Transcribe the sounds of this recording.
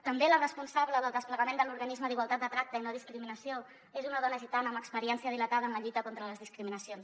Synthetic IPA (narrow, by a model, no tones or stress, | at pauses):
t̪əmbelərəspunsaβləðəlˠd̪əspləɣəmend̪əluɾɣənizməðiɣwalˠt̪at̪̚d̪ət̪ɾak̚t̪əinoð̞iskɾiminəsio | ezunəðɔnəʒit̪anəːməkspəɾiɛnsiəð̞ilət̪aðəːnləʎut̪əkɔnt̪ɾələzðiskɾiminəsions